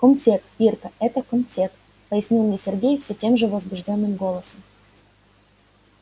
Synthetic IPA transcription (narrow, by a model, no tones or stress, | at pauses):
kɔmtʲekpʲirkəɛt̪əkɔmtʲek | pəjɪsʲnʲilˠmnʲesʲɪrɡʲejfsʲɵtʲe̞mʐɨvəzbʊʐdʲo̞nːɨmɡo̞lˠəsəm